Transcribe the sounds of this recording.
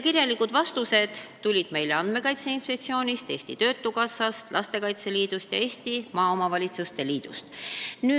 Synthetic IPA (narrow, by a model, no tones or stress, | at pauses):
kiɾjɑlːikud̪̥vɑst̪use̞d̪̥t̪ulʲid̪̥me̞jle̞ɑnd̪̥me̞kɑjt̪seinfet̪sio̞ːnʲist̪e̞ːsʲt̪ḭt̪ø̞ːt̪ːˑukɑsːɑst̪lɑst̪e̞kɑjt̪se̞liːd̪̥ust̪jɑ̰e̞ːsʲt̪imɑːo̞mɑvɑlʲit̪sust̪e̞liːd̪̥ṵst̪nyː